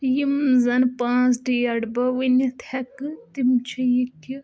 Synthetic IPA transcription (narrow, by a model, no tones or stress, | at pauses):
jimzɐnpãːt͡sɖeːɐɽbɐʋinit̪ʰɐkɨt̪imt͡ʃʰɐjit̪ʰi